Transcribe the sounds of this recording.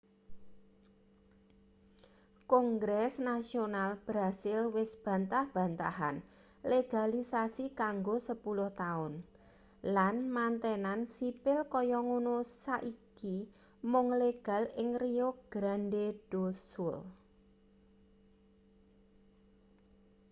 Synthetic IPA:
kɔŋɡɾɛsnasionalb̥ɾasɪlwɪsb̥ä̤nt̪ahb̥ä̤nt̪a̰ɦa̰n | leɡ̥alisasikaŋɡosəpulʊht̪aʊn | lanmant̪ɛnansipɪlkɔjɔŋunosaʔiki | mʊŋleɡ̥a̤lɪŋrioɡ̥ɾanɖeɖ̥osʊl

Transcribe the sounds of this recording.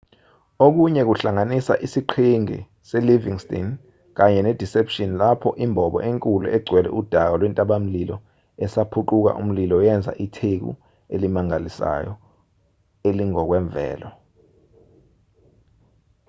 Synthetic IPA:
ok̬uɲɛk̬uɬaŋanisa̰ʔisiǃʰiŋḭ | sɛliviŋstʼḭn | k̬aɲɛned̥ʱisepʰʃinlapʰɔʔimbʱɔɓɔ̰ʔeŋkʼulṵʔɛɡ͡ǀʱwɛlɛ̰ʔud̥ʱak̬alwɛntʼaɓam̩lilɔ | ɛsapʰuǃuk̬a̰ʔṵm̩lilɔjɛnd͡zʱa̰ʔitʰek̬ṵ | ḛlimaŋalisa̰jɔ̰ | eliŋɔk̬wɛɱvʱɛ̰ːlɔ

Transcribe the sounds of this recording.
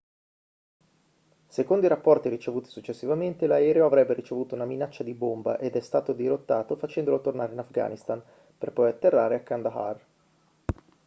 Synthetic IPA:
sekond̪oiɾapːɔrt̪iɾit͡ʃevuːt̪i̥sut͡ʃːesːivament̪elaɛːɾeoavɾɛbːeɾit͡ʃevuːt̪ounaminat͡ʃːad̪ibomba̰ʔed̪ɛst̪aːt̪od̪iɾot̪ːaːt̪ofat͡ʃɛnd̪olot̪ornaːɾeinafɡa̰ːnist̪an | perpɔjat̪ːerːaːɾeakːand̪aɦa̰r

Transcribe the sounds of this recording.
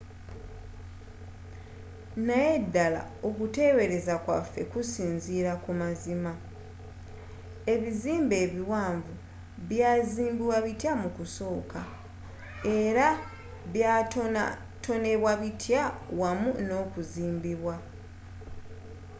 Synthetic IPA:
naje̞dːala̰o̞kute̞we̞ɾe̞zakwa̰fːe̞̰kusiːnziːɾakumazima | e̞βiziːmbe̞ːβiwaːɱvu | βjaːziːmbiwaβitjamukuso̞ːka | e̞ɾa | βja | to̞ne̞βwaβitʰjawamuno̞ːkuziːmbiβwa

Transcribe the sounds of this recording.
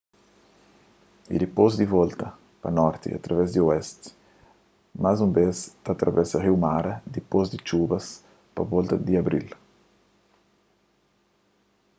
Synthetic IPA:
ḭd̪ipozd̪ivɔlt̪ɐ | pa̰nɔɾt̪ḭa̰t̪ɾavɛzd̪iuɛst̪ | mazumbest̪at̪ɾʔa̰vɛsaʁiwmaɾɐd̪ipɔzd̪it͡ʃubɐs | pavɔlt̪ɐd̪iabɾḭl

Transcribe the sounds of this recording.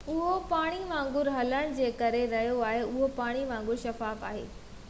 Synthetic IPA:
ʊɦopaːɽ̃iʋãːŋɡʊɾɦɐləɽ̃d͡ʑeːkɐɾeɾɐɦijoaːɦeʊɦopaːɽ̃iʋãːŋɡʊɾʃɐfaːfa̰ːɦḛː

